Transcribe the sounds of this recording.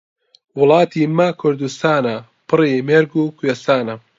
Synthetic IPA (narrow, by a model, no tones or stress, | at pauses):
wʊlˠɑːt̪ʰiːmɐkʰʊɾd̪ust̪aːnɐ | pɨrimeɾɡuːkʰujest̪aːnɐ